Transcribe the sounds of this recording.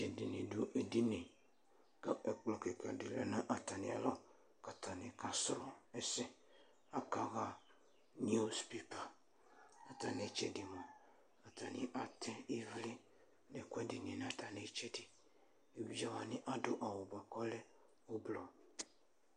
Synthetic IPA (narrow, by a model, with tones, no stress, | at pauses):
d͡ʒɛ˨di˨ni˨du˦ʔe˨di˦ne˨ | ɡa˨ʔɛ˨k͡plɔ˨ke˨ka˨dɪ˨lɛ˦nã˦ʔa˨ta˨ni˨a̰˨la˦ | ka˨ta˨ni˨ka˨sɾu˨ɛ˨sɛ˦ | a˦ka˨ɣa˦˨ | ni˦u˦spi˦pa˨ | a˨ta˨ne˨˦t͡ʃɛ˦di˨mɔ˨ | a˨ta˨nḭ˨˦ʔa˨tʰɛ˦i˦vli˦ | nɛ˨kʷɛ˦di˨ni˨nã˨ta˨ne˦t͡ʃɛ˦di˨ | e˨bi˨d͡ʒa˦wa˨nɪ˦ʔa˦dʊ˦ʔa˨wʊ˨ba˨kɔ˦lɛ˦ | o˦blɔ˨